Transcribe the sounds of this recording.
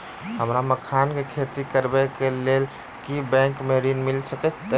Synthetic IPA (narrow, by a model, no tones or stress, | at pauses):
ɦəmɾaməkʰankekʰet̪ikəɾbɛkelel | kibɛ̃ŋkmeɾinmilsəkət͡ʃʰt̪ə